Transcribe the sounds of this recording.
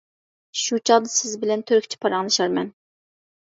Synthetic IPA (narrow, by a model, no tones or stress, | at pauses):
ʃut͡ʃʰɑʁd̪ɨsɪzbɪlɛnt̪ʰøɾkʲt͡ʃʰi̥pʰɑɾɑŋlˠɨʃɑɾmɛn